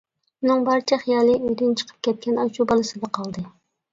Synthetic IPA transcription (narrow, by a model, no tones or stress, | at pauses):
unɨŋbɑɾt͡ʃʰɛχijɑːlˠɨøjd̪ynt͡ʃʰə̥qʰə̥p̚kʲʰɛt̪̚kʲʰɛnɑt͡ʃubɑlˠɨsɨd̪ɑqʰɑlˠd̪ɨ